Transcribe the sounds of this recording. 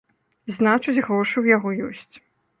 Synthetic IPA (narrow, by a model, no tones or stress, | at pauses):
znat͡ʂud͡zʲɣɾɔʂɨwjaɣɔjɔsʲt͡sʲ